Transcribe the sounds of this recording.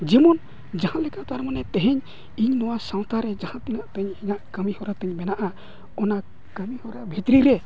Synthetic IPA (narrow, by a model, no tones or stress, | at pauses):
d͡ʒɛmɔn | d͡ʒaɦãlɛkat̪aɾmanɛt̪ɛɦɛɲ | iɲnɔwasãw̃t̪aɾɛd͡ʒãhãt̪ɛnaʔt̪ɛɲiɲaʔkəmihɔɾat̪ɛɲmɛnaʔa | ɔna | kəmihɔɾabʱit̪ɾiɾɛ